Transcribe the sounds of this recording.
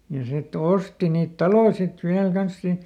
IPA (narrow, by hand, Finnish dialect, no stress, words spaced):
jɑ sit osti niːt tɑloĭ sit ʋiæl kɑns siːn siːnt